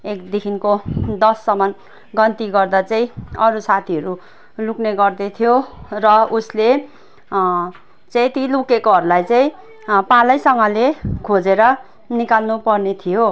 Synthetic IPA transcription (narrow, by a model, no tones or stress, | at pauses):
ekd̪ikʰinkod̪ʌsːʌmʌn | ɡʌnt̪iɡʌrd̪at͡saĩʌɾusat̪ʰiʌɾu | lukneɡʌrd̪et̪ʰijorʌusle | t͡saĩt̪ilukekoɦʌɾulajt͡saĩ | palʌjsʌŋɡʌlekʰod͡zeɾʌ | nikalnupʌrnet̪ʰijo